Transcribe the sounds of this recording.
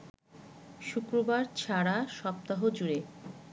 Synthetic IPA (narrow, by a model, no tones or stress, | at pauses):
ʃukɾobaɾt͡ɕʰaɽaʃɔp̚t̪aɦod͡ʑuɾe